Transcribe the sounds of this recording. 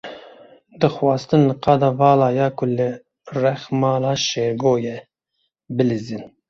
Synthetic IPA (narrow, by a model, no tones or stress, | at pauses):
d̪ɨxwɑːst̪ɨnlɨqɑd̪ɑvɑːlɑːjɑːkʰʊlɨ | rɛxmɑːlɑːʃeɾɡoːjɛ | bɨlizin